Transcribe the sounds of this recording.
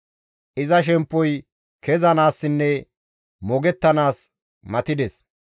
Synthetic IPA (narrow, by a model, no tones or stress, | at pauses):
ʔɪzɐʃ̬ɛmpːɔj | kɛzɐnaːsːɪnːɛ | mɔɡɛt̪ːɐnaːs | mɐt̪ɪd̪ɛs